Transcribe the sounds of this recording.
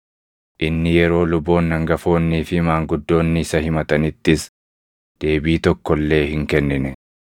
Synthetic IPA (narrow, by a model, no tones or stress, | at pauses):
ʔɪnːɪjɛɾo̞ːlʊbːo̞ːnːɐŋɡɐfo̞ːnːiːfɪmaːŋɡʊd̪ːo̞ːnːɪɪsɐhɪmɐt̪ɐnɪt̪ːɪs | d̪̥e̞ːbiːt̪ɔkːɔlːe̞ːhɪŋkɛnːɪnɛ